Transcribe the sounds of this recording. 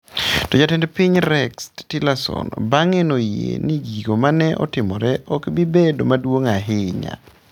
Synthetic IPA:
tɔd͡ʒatɛndpɪɲɾɛkstilasɔ̰nbaŋenojḛniɡiɡomanɛʔɔ̰tɪmɔɾɛʔɔkbibedomadwoŋaɦɪɲa̰

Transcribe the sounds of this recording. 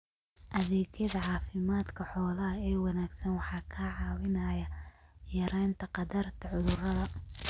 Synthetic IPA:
ʔɐðɛːɡjɐðɐʕɑːfɪmaːd̪kʰɐħɔːlɐɦɐɛːwɑnaːɡsɐnwɑħɑːkʰaʕɑːwɪnɐːjɐjɐɾɛːnt̪ʰɐqɑd̪ɐrt̪ʰɐʕʊðʊrɐðɐ

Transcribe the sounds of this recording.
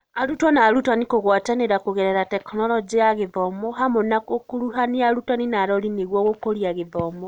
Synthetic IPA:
aɾutwɔnaːɾutwanikoɣwataneɾakuɣeɾeɾatɛknɔlɔd͡ʒiaɣeðɔmoɦamonakokuɾuhaniaɾutaninaɾɔɾineɣwɔɣokoliaɣeðɔmo

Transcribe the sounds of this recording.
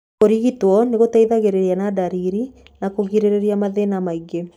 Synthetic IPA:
koɾiɣitwɔneɣotaiðaɣeɾeɾjanadaɾiɾi | nakoɣiɾeɾeɾiamaðenamaiɡe

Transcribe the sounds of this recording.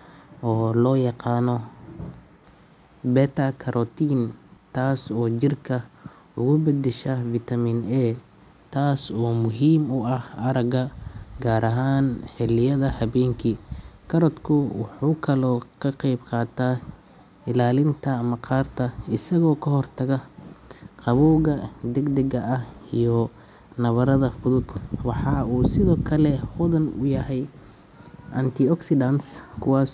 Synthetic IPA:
ʔɔːlɔːjɑqɑːnɔ | bɛt̪ʰɐkʰɐɾʔɔt̪iːnt̪ʰaːsɔːt͡ʃɪrkʰɐ | ʊɣʊbɐd̪ɛʃɐvit̪ʰɐminɛː | t̪ʰaːsɔːmʊɦiːmʊɐhɐɾɐɡɐɡaːɾʔɐɦaːnħɪlɪjɐðɐhɐβɛːŋkʰikʰɐɾɔt̪kʰʊwɑħuːkʰɐlɔːkʰɐqɛjbqɑːt̪ʰa | ɪlaːlɪnt̪ʰɐːmɐqɑːrt̪ʰɐɪsɐɣɔːkʰɐɦɔrt̪ʰɐɣɐ | qɑβuːɣɐd̪ɛɡd̪ɛɣɐʔɐhijɔ | nɐβɐɾɐðɐfʊðʊd̪wɑħɑːuːsɪðɔːkʰɐlɛhʊðɐnʊ̰jɐhɛj | ʔɐnt̪ʰɪɔksɪd̪ɐnskʰʊwɑːs

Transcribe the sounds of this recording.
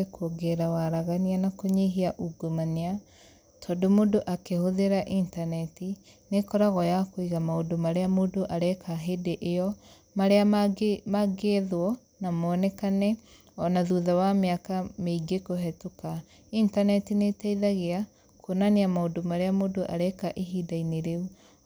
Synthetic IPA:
ekuoɡeɾawaɾaɣanianakoɲeɦiaʔuɡomanea | tʰɔdomodoʔakehoðeɾaʔintanɛti | nekɔɾaɣɔjakoiɣamaodomaɾeamoːdoʔaɾɛkaɦedeʔejɔ | maɾeamaɡeðwɔ | namɔnɛkanɛ | ɔnaðuðawameakameiɡekoɦɛtoka | intanɛtinetaiðaɣea | kʰonaneamaodomaɾeamoːdoʔaɾɛkaʔeɦiːdaineɾeu

